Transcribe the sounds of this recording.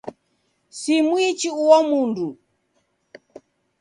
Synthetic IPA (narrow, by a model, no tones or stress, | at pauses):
simwit͡ʃiuwɔmundu